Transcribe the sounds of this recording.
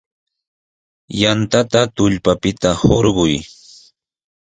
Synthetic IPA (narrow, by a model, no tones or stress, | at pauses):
jant̪at̪at̪ʊʎpapɪt̪ahoɾɢʊj